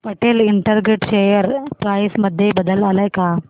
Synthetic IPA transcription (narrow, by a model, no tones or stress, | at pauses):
pəʈeliɳʈəɾɡeʈɕejəɾpɾajsməd̪ʱːjebəd̪əlalajka